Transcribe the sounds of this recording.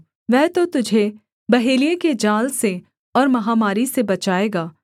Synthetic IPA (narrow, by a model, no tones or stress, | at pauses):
ʋɛɦt̪ot̪ʊd͡ʒʱe | bɐɦeːlijeked͡ʒaːlse | ɔːɾmɐɦaːmaːɾisebɐt͡ʃaːeːɡaː